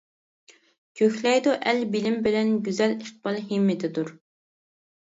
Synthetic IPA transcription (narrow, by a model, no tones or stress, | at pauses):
kʲʰøçʲlɛjd̪uʔɛlbɪlɪmbɪlɛnɡʲyzɛliχt̪̚bɑlˠɦimːɪt̪ʰɪd̪uɾ